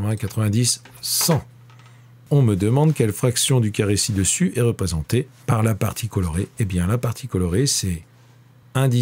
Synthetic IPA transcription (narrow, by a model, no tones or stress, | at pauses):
vɛ̃kat̪χəvɛ̃d̪isː | ɑ̃ | ɔ̃məd̪əmɑ̃d̪kʲɛlfχaksjɔ̃d̪ykaʁesid̪əsyʔɛʁəpχezɑ̃t̪epaʁlapaʁt̪ʰikɔlɔʁeːbjɛ̃lapaʁt̪ʰikɔlɔʁesɛ | ɛ̃d̪i